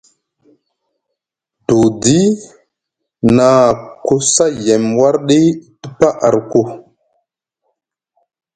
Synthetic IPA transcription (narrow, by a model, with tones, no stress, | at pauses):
du˨di˦ | na˨ko˦sa˦je˨mwa˦ɾɗi˦tu˦pa˦ʔa˨ɾko˦˨